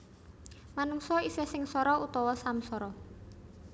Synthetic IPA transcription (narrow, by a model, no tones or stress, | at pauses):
manuŋsɔisɛsɪŋsɔɾɔut̪ɔwɔsamsɔɾɔ